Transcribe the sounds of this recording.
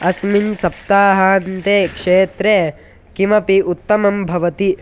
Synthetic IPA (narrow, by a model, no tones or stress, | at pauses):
ɐsminsɐp̚t̪aːɦaːnt̪eːkʂeːt̪ɾe | kimɐpiʔut̪ːɐmɐmbʱɐʋɐt̪i